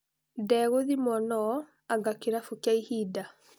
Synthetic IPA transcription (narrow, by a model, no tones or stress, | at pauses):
dɛɣoðimɔnɔ | aŋɡakeɾafukjaihida